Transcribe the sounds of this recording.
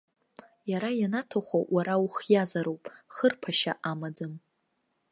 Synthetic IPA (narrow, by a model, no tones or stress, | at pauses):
jaɾajanatʰaχʷawʔaɾawχjazaɾowpʼχərpʰaʃaʔamad͡zɨm